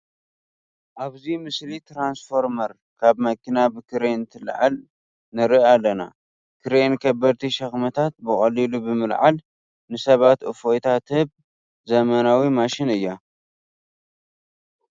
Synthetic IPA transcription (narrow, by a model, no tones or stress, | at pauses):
ʔaβzimɨslit̪ɾansfo̞ɾmɐɾ | kʰaβmɐkʰinabɨkʰɨɾent̪ʰɨlʕa̰l | nɨɾɨalːɐna̰ | kʰɨɾenkʰɐbɐɾt̪ʰiʃɐxmɐt̪ʰat̪̚bɨχʼɐlilubɨmɨlʕa̰l | nɨsɐβat̪ʔɨfojt̪ʰat̪hɨβ | zɐmanawimaʃɪnɨjːa